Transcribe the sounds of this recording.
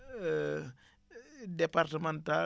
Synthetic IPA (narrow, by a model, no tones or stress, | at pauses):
departəmanta